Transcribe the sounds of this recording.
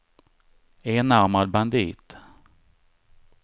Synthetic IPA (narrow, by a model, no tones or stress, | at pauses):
eːnaɾmad̪̚band̪ḭːt̪